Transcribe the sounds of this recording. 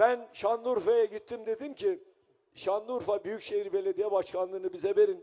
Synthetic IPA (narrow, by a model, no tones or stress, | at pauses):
b̥ænʃanlˠuɾfajaɟit̪ʰːimd̪e̞d̪imcʰi | ʃanːˠuːɾfabyjycʃe̞jiɾbe̞lʲe̞d̪ijɛbaʃkʰanˠɯːnɯbizɛve̞ɾin